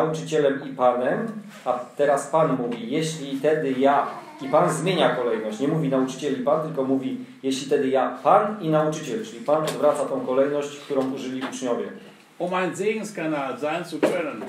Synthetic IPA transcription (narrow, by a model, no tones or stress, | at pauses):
aut͡ʂɘt͡ɕɛlɛmipanɛm | at̪ɛɾaspanmuvʲijeɕlʲit̪ɛd̪ɘja | ipanzmʲjeɲakɔlɛjnɔɕt͡ɕɲɛmuvʲinaut͡ʂɘ̥t͡ɕɛlipant̪ɘlkɔmuvʲijeɕlʲit̪ɛd̪ɘjapaninaut͡ʂɘt͡ɕɛlt͡ʂɘlʲipanɔd̪vɾat̪sat̪ɔ̃w̃kɔlɛjnɔɕt͡ɕkt̪uɾɔ̃w̃uʐɘlʲiut͡ʂɲɔvʲjɛ | ʊmaɪnzeːɡŋ̩skanaːlzaɪnt͡sukʰœnən